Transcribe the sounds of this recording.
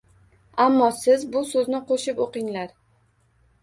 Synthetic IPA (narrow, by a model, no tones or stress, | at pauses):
amːɒsɪzbʊsɵznɪqʰoʃɪpoqɪŋlaɾ